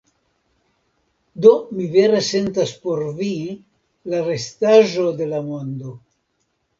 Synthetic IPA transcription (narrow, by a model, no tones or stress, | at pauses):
d̪o̞mive̞ɾese̞ntaspo̞ɾvi | laɾe̞staʒo̞d̪e̞lamo̞nd̪o̞